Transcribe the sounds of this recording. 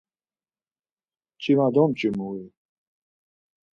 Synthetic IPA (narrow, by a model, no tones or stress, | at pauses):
t͡ɕimad̪omt͡ɕimui